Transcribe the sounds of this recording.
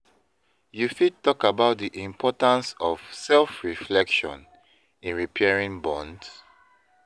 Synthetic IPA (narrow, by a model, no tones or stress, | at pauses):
jufid̚tɔkabaʊt̚ðiʔĩmpʰɔtãnsɔvsɛlfɹiflɛkʃɔ̰̃n | ĩnɹipʰɛɹĩŋbɔ̃nds